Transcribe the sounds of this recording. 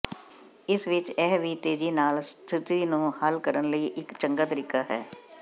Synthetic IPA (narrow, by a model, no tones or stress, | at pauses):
ɪsʋɪt͡ʃɛːʋiːt̪eːd͡ʒiːnaːlst̪ʰɪt̪iːnũːhəlkəɾənləiːʔɪkt͡ʃəŋɡaːt̪əɾɪkaːɦɛː